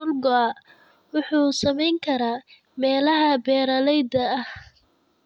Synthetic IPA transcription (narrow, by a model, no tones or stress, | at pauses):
ʊlɡɔa | wʊħuːsɐmɛjŋkʰɐɾaː | mɛːlɐɦɐbɛːɾɐlɛjd̪ɐːh